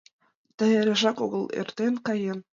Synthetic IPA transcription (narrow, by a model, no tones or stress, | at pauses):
t̪ɘ̆eɾʲĕʒɑkoɣɤ̆lˠḛrt̪enkɑjen